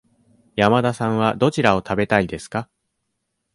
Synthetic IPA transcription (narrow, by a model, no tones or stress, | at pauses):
jamad̪asãɰ̃β̞ad̪o̞t͡ɕiɾao̞t̪abe̞t̪aid̪e̞sɨ̥ka